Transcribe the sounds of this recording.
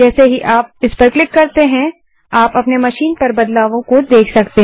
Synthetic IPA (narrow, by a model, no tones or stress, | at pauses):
d͡ʒɛːseɦiʔaːp̚ɪspɐɾklɪkːɐɾt̪eɦɛ̃ | aːpɐpnemɐʃiːnpɐɾbɐd̪laːʋõkod̪eːkʰsɐkt̪eɦ